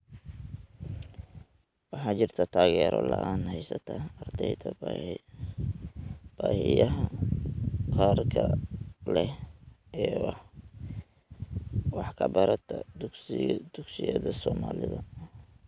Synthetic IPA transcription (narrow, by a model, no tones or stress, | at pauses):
wɑħɑːt͡ʃɪrt̪ʰɐt̪ʰaːɣɛːɾɔ̰lɐʔaːnhɛjsɐt̪ʰaɐrd̪ʰɛjt̪ʰɐ | b̥aːhɪjɐɦɐ | qaːrkʰɐlɛh | ɛːwɑħ | wɑħkʰɐbɐɾɐt̪ʰɐd̪sɪd̪̥ʊɡsɪjɐðɐsɔːmaːlɪðɐ